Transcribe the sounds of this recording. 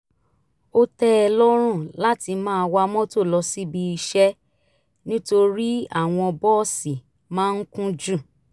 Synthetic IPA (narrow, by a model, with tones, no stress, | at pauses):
o˦tɛ˦ɛ˧lɔ˦ɾ̃ũ˦˨la˦ti˧mãː˦˧wa˧mɔ̃˦to˦˨lɔ˧si˦bi˧i˧ʃɛ˦ | nĩ˦to˧ɾi˦a˦˨w̃ɔ̃˧ɔ˧bɔ˦si˨ | mãː˦n̩˦kũ˦d͡ʒu˦˨